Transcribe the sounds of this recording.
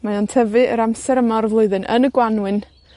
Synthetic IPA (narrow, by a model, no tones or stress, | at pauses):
majɔntʰɛvɨə̰ɾamsɛɾəmɔrðlˠoɨðɨnʔə̰nəɡwanwɨn